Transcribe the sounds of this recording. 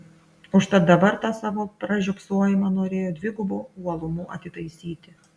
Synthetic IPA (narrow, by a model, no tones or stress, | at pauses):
ʊʃt̪ɐt̪̚d̪ɐbɐɾt̪ɑsɑːʋoːpɾɐʒʲʊksuɔjɪmɑnoːɾʲeːjoːd̪ʲʋʲɪɡʊbuːuɔlˠʊmuːʔɐ̰t̪ʲɪt̪ɐɪsʲiːt̪ʲɪ